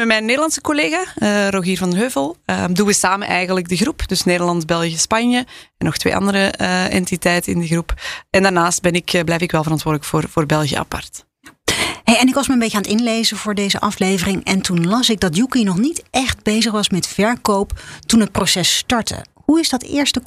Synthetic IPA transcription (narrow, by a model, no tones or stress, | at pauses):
mɛmɛjnːeːdəlɑnsə̥koleːɣaəroɣiːrvɑndəɦøːvəlˠədunʋəsaːmənʔɛjɣənlək̚dəɣrupd̥ɵsneːdərlɑntbɛlˠɣjəspɑnjəɛnɔxtʋḛːʔɑ̰ndəɾəʔɛ̰ntitɛjtənɪndəɣrupɛndarnaːst̚bɛnɪkblɛjfɪkʋɛlˠvəɾɑntʋʊːrdələkfoːrvoːrbɛlˠɣiə̰ʔa̰pɑ̰rt | ɦejɛnɪkʋɑsməəmbeːjcəaːnətɪnlejzəvʊːɹdejzəʔɑflejvərɪŋɛntunlɑsɪɡ̚dɑtjukinɔχnitʔɛχt̚bejzəχʋɑsmɛtfɛɹkowptunɦət̚prosɛstɑɹtə̰ɦuɪzdɑtɪ̰ːɹstə